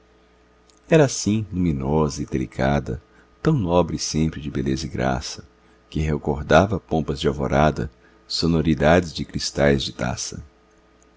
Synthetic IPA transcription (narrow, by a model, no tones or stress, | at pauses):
ɛɾɐaːsĩlumĩnɔzɐɪd̪elikʰad̪ɐ̰ | t̪ɐ̃w̃nɔbɾɪsẽmpɾɪd͡ʒɪbelezɐiɡɾa̰sɐ | kɪɦekoɾd̪avɐpõpɐzd͡ʒɪovo̰ɾad̪ɐ̰ | sonoɾid̪ad͡ʒɪzd͡ʒɪkɾist̪ajzd͡ʒɪt̪a̰sɐ̰